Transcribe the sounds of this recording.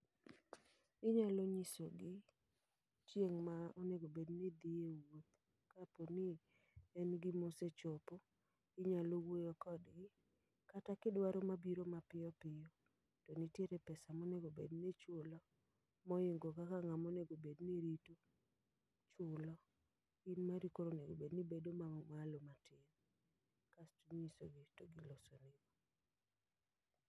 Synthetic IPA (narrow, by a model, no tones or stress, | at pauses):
ɪɲaloɲisoɡɪ | t͡ʃjeŋmaɔneɡobedned̪iewwot̪ | kaponɪ | ɛnɡɪmoset͡ʃopo | ɪɲalowojokɔdɡɪ | katakɪdwaɾomabiɾomapɪjɔpɪjɔ | tonitjeɾɛpɛsamɔneɡobednet͡ʃʊlɔ | mɔɪŋɡokakaŋamɔneɡobedniɾito | t͡ʃʊlɔ | inmaɾikoɾoneɡo̰bednibedomaɔmalomatɪn | kastuɲisoɡitoɡilɔsɔnɪbɔ